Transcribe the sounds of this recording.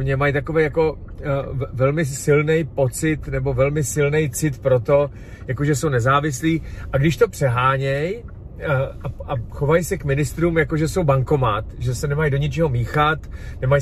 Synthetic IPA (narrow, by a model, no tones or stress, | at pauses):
mɲɛmajt̪akovejako̞ | vɛlmɪsɪlnɛjpo̞t͡sɪt̪nɛbo̞vɛlmɪsɪlnɛjt͡sɪt̪pɾo̞t̪o̞ | jako̞ʒɛsownɛzaːvɪsliːʔaɡdɪʃt̪o̞pr̝̥ɛɦaːɲɛj | aaxo̞vajsɛkmɪnɪst̪ɾuːmjako̞ʒɛso̞wbaŋko̞mat̪ʒɛsɛnɛmajdoɲɪt͡ʃɛɦo̞miːxat̪nɛmaj